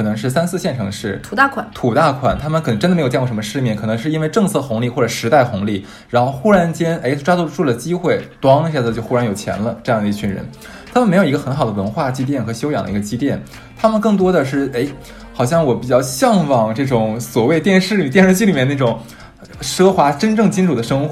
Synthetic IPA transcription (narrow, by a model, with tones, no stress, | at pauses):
kʰɤ˨˩nɤ˧˥ŋʂɻ̩˥˩sa˥nt͡sʰɹ̩˥˧ɕjɛ˥˩nʈ͡ʂʰɤ˧˥ŋʂɻ̩ʰ˥˩˨a˥˩kʰwa˨˩t̪ʰu˨˩t̪a˥˩kʰwa˨˩nt̪ʰa˥mə˨nkʰn˧ŋʈ͡ʂnd̪ə˩˧˥ɪjt͡ɕɛ˥˧˩ʂmə˧ʂɻ̩˥˧mjɛ˥˩nkʰɤ˨˩nɤ˧˥ŋʂɻ̩˥˧i˥nwe˥˧ɪʈ͡ʂɤ˥˧ŋt͡sʰɤ˥˩xʊ˧˥ŋli˥˧xwɔ˥˩ʈ͡ʂɤ˨˩ʂɻ̩˧˥t̪a˥˩ɪxʊ˧˥ŋli˥˩ | ɻa˧˥nxo˥˩ʊxu˥ɻa˧˥nt͡ɕjɛ˥nʔe˧˥ɪʈ͡ʂwa˥t͡su˥˧˥ʈ͡ʂʰu˥˩lə˩t͡ɕi˥xwe˥˩ɪt̪wɑ˥ŋ˥ɕt͡ɕjo˥˧ʊxu˥ɻa˧˥njo˨˩ʊt͡ɕʰjɛ̰˧˥nlə˧ʈ͡ʂɤ˥˧jɑ˥˩ŋd̪ə˧i˥˧t͡ɕʰy˥˩nɻə̰˧˥n | t̪ʰa˥mə˨nm˧˥o˨˩i˧˥ɡə˧xə˧˥nxɑ˨˩ʊd̪ə˧wə˧˥nxwa˥˩t͡ɕi˥t̪jɛ˥˩nxɤ˧˥ɕjo˥ʊjɑ˨˩ŋd̪ə̰˧i˧˥ə˧t͡ɕi˥t̪jɛ˥˩n | t̪ʰa˥mə˨nkɤ˥˩ŋt̪̬wɔ˥d̪ə˨ʂɻ̩˥˩e˧˥ɪ | xɑ˨˩ʊɕ̬jɑ˥˩ŋwɔ˧˥pi˨˩t͡ɕjɑ˥˧ʊɕjɑ˥˧ŋfɑ˨˩ŋʈ͡ʂɤ˥˩ʈ͡ʂʊ˨˩ŋswɔ˨˩we˥˧ɪt̪jɛ˥˧nʂɻ̩˥˩i˨˩t̪jɛ˥˧nʂɻt͡ɕi˥˩i˨˩mjɛ˥˧n˩n˥˩ʊ˨˩ŋ | ʂɤ˥xwa˧˥ʈ͡ʂə˥nʈ͡ʂɤ˥˩ŋt͡ɕi˥nʈ͡ʂʰu˨˩d̪ə˩ʂɤ˥ŋxw